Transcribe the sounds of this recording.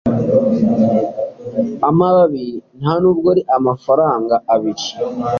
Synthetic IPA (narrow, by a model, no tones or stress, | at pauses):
amaβaβin̥hanuːb̚ɡoɾiʔamafaɾaːŋɡaːβit͡ʃḁ